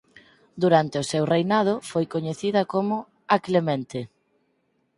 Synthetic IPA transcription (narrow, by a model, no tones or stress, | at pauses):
d̪uɾant̪eʊsewrejnað̞ʊfojkoɲeθiðɐkomʊ | ɐklemẽnt̪e